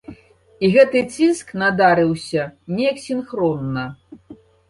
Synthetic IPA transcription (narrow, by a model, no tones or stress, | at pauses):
iɣɛt̪ɨt͡sʲisknad̪aɾɨwsʲɐnʲɛjɐksʲinxɾɔnːɐ